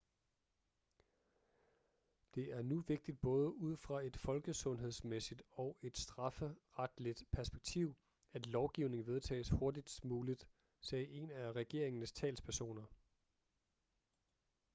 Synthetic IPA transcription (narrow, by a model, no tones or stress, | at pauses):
d̥e̝ʔæɐnuʋe̝ɡ̥̚d̥id̥̚b̥ɔ̽ːð̞ˠəuð̞̰ˠfʁɑ̈e̝d̥fɒ̽lɡ̥əsɔ̽nɦe̝ð̞̰ˠsmesid̥ɒ̽ʊe̝d̥sd̥ʁɑ̈fəʁad̥lid̥pʰæɐsb̥eɡ̥̚t͡sʰiʊ̰ | æd̥lɒʊɡ̥iʊne̝ŋ̩ʋe̝ð̞ˠt͡sʰɛ̰ːsho̝ɐd̥id̥smuːlid̥ | sɛːʔe̝næʁɛɡ̥e̝̰ɐ̰e̝ŋnəst͡sʰɛ̰ːlspʰæɐso̝̰ːnɐ